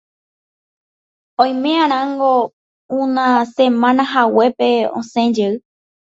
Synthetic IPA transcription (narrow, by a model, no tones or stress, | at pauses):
õj̃mẽãɾ̃ãŋɡo | ũnãsẽmãnãɦawe̞pe̞õ̰sẽd͡ʒeɨ